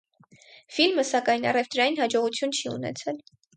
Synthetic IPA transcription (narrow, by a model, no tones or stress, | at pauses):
filməsɑkɑjnɑrɛft̪ɾɑjinhɑd͡ʒɔʁut͡sʰjunt͡ʃʰiṵnɛ̰t͡sʰɛl